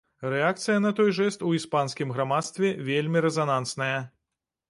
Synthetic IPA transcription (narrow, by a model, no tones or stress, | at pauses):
rɛakt̪sɨjɐnɐt̪ɔjʐɛst̪uispanskʲimɣɾamat̪st̪vʲɛvʲelʲmʲiɾɛzanant̪snɐjɐ